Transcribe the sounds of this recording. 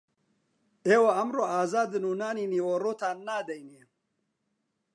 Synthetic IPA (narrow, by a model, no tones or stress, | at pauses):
eːwɐɐmroːaːzaːd̪ɨnuːnaːniːniːworoːt̪ʰaːnːaːd̪ɐjneː